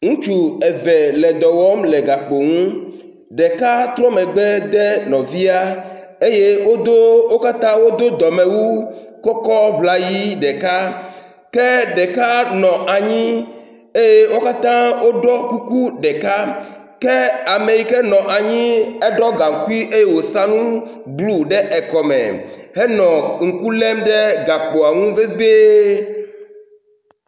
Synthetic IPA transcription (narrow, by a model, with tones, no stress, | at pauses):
ŋũ˦t͡ʃu˨ɛ˨vɛ˨lɛ˨d̪ɔ˨wɔ˦mlɛ˨ɡa˨k͡po˨ŋũ˦ | ɖɛ˨ka˦t̪ɾɔ̃˦mɛ̃˨ɡ͡bɛ˦d̪ɛ˦nɔ̃˨vi˦a˦ | e˦je˦wo˦d̪o˦wo˦ka˦t̪ã˦wo˦d̪o˦d̪ɔ˨mɛ̃˨wu˦ | kɔ˦kɔ˦bla˦ji˦ɖɛ˨ka˦ | kɛ˦ɖɛ˨ka˦nɔ̃˨ʔa˨ɲĩ˦ | e˦je˦wo˦ka˦t̪ã˦wo˦ɖɔ˦ku˦ku˦ɖɛ˨ka˦ | kɛ˦a˨me˨ji˨kɛ˦nɔ̃˨ʔa˨ɲĩ˦ɛ˦ɖɔ˦ɡa˨ŋ̩˨ku˦i˦ʔe˦je˦wo˨sa˦nũ˦ | blu˦ɖɛ˦ʔɛ˨kɔ˨mɛ̰˨ɦɛ˦nɔ̃˨ŋ̩˨ku˦lɛ˦mɖɛ˦ɡa˨k͡po˨a˨ŋũ˦ve˦ve˦